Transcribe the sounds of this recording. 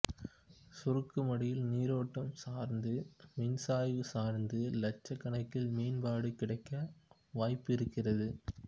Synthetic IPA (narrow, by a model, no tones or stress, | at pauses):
sʊrɯkːɯmɐɽɪjɪlniːɾoːʈːɐmsaːɾnd̪ɯmɪnsaːjʋɯsaːɾnd̪ɯlɐt͡ʃːɐkːɐɳɐɪkːɪlmeːnbaːɽɯkɪɽɐɪkːɐ | ʋaːjpːɪɾɯkːɪrɐðɯ